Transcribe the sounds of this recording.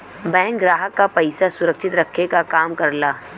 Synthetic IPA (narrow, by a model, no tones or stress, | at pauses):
bɛ̃ːŋk̚ɡɾaːɦəkːapɐɪsasʊɾəkʃɪt̪ɾɐkʰekakaːmkɐɾlaː